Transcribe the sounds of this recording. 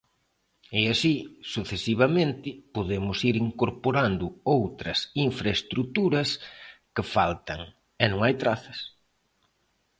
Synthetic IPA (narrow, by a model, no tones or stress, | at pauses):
ɛasisuθesiβ̞ɐmẽnt̪ɪpoðemʊsiɾiŋkoɾpoɾand̪ʊowt̪ɾɐsiɱfɾaest̪ɾut̪uɾɐskɪfalt̪ɐŋ | ɛnõŋajt̪ɾaθɐs